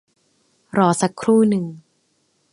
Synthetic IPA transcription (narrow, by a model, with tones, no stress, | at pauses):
ɾɔː˩˦sa˧˦kʰɾuː˥˩nɯ˨˩ŋ